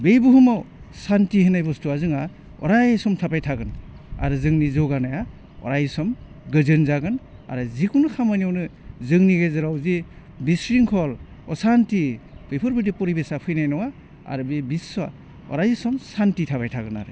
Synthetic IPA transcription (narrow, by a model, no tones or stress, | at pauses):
bejbuhɯmawsantihenajbɔstuazɯŋa | ɔ̰ɾajsɔmtʰapajtʰaɡɯn | a̰ɾɯzɯŋnizɔɡanaja | ɔ̰ɾajsɔm | ɡɯzɯnzaɡɯna̰ɾɯzikʰunɯkʰamaniɔwnɯzɯŋniɡezɯɾawzi | bisɾiŋkʰɔl | ɔ̰santipʰepʰɔɾbɯdipɔɾibesapʰɯjnajnɔŋa | a̰ɾɯbebisa̰ | ɔ̰ɾajsɔmsantitʰapajtʰaɡɯna̰ɾɯ̰